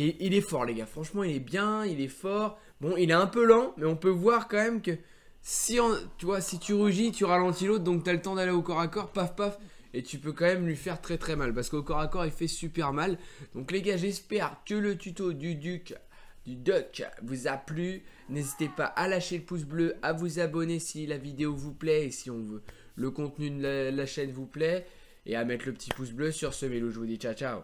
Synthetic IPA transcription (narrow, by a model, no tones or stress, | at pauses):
eʔilɛfɔʁleɡafχɑ̃ʃmɑ̃ilɛbjɛ̃ilɛfɔʁ | bɔ̃ilɛɛ̃pølɑ̃mɛɔ̃pøvwaʁkɑ̃mɛmkə | siɑ̃t̪yvwasit̪yʁyʒit̪yʁalɑ̃t̪ilot̪̚d̪ɔ̃k̚t̪yalət̪ɑ̃d̪aleokɔʁakɔʁpafpaf | et̪ypøkɑ̃mɛmlɥifɛʁt̪χɛt̪χɛmalpaʁsə̥kokɔʁakɔʁifɛsypɛʁmald̪̥ɔ̃kleɡʲaʒɛspɛʁkələt̪yt̪od̪yd̪yk | d̪̥yd̪œkvuzaply | nezit̪epa̰ʔalaʃeləpus̬bløavuzabɔnesilavid̪eovuplɛːsiɔ̃vø | ləkɔ̃t̪nyd̪llaʃɛnvuplɛ | ḛamɛt̪ləpə̥t̪ʰipusbløsyʁsəmeluʒəvud̪it͡ʃat͡ʃa̰